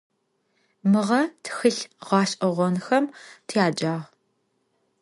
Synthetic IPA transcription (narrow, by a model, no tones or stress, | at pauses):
mɨʁɐtʰxɨɬʁɑːʃʼʔɐʁʷɔnxɐmtʰjaːd͡ʒaːʁ